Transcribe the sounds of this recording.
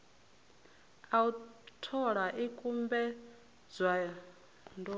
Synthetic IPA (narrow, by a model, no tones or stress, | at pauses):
autʰɔɺaʔikʼumbɛ | d͡zʷwa | ndɔ